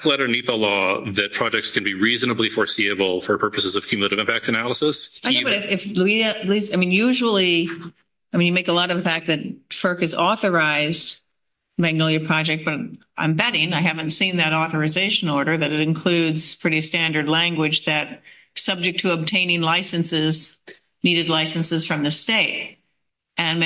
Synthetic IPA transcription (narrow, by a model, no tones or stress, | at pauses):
klɛɾə˞nipɛlɔðɨt̚pʰɹ̥ɑd͡ʒɛk̚tskʰɨ̃n̩biɹiznɨblifɔɹsiɨbl̩ˠfə˞pʰɜ˞pɨsɨzʌv̥kʰjʉmjɨlˠeɾɨvɪ̃mpæk̚sɨnælˠəsəsaɪobʌɾɨfɪfluiɨlisaɪmĩnjʉʒl̩ˠi | aɪmĩnjɨmeɪkəlɔɾʌvəfæk̚ðɨt̚fɜ˞kɨzɔθə˞aɪzd | mæɡ̚nɪlˠjəpʰɹ̥ɑd͡ʒɛk̚t̚b̥ʌɾʔã̰ɪ̃mbɛɾɪ̃ŋaɪɦævɨ̃ntsĩnðɨɾɔθə˞ɨzeɪʃɨ̃nɔɹɾə˞ðɨɾɨɾɨ̃nkʰl̥ʉdz̥pʰɹ̥ɪɾistæ̃ndə˞dˡlæ̃ŋɡwɪd͡ʒðɨt̚ | sʌb̚d͡ʒɨk̚tʰɨəb̚tʰẽɪ̃nɪ̃ŋlaɪsɨ̃nsɪz | niɾɨdˡlaɪsɨ̃n̩sɨz̥fɹʌ̃mðɨsteɪt̚ | ɨ̃n